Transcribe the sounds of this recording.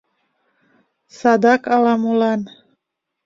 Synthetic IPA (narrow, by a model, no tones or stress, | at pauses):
sadakalamulan